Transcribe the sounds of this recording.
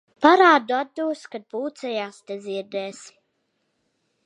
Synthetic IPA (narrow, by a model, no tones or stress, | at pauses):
paɾaːd̪uad̪d̪uːskad̪̚puːt̪sɛjaːst̪ɛziɛɾd̪ɛːsi̥